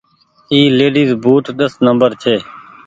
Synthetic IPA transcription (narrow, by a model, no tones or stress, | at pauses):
iːleːɖiːzbʱuːʈ̪ɗ̪əsnəmbəɾt͡ʃʰeː